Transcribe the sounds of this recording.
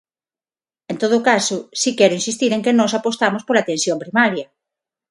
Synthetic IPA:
ent̪oðʊkasʊsikɛɾʊĩnsist̪iɾẽŋkenɔsapost̪amospolat̪ensjompɾimaɾjɐ

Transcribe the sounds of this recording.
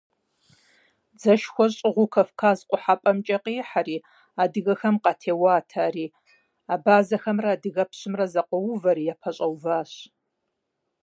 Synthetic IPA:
d͡zɐʃxʷɔɕʼɪʁʷʊkʰɐfkʰaːzqʷʼʊħapʼɐmt͡ʃʼɐqiːħaɾiː | aːdɨɣɐxɐmqɑtʰeːwaːtʰaːriː | aːbaːzɐxɐmraːdɨɣɐpʰɕɪmrɐzɐqʷɔwʊvɐɾiːjapʰɐɕʼɐwvaːɕ

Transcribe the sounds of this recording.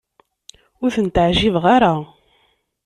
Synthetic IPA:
ʊɾθənt̪ʕʒivʁaɾa

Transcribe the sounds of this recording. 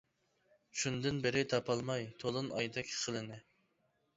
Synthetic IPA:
ʃund̪ɨnbɪɾɪt̪ʰɑpʰɑlˠmɑjt̪ʰolˠɨnɑ̰jd̪ɛkʲʰχʰəlˠɨnɪ

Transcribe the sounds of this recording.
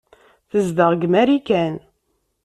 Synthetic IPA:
θəzd̪əʁɡmæɾikæn

